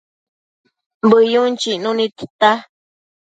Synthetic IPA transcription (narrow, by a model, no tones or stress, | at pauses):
mbɨjunt͡ʃiʔnũnĩt̪i̥t̪a